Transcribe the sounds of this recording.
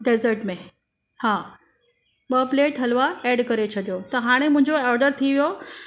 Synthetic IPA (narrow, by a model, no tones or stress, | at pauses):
ɖeːzəɾʈmẽ | haː | ɓəpleːʈɦɐlʋaeːɖkɐɾet͡ɕʰɐɗijot̪ɐɦaːɽ̃emʊ̃ɦɪ̃ɲd͡ʑoɔːɾɖəɾt̪ʰiʋijo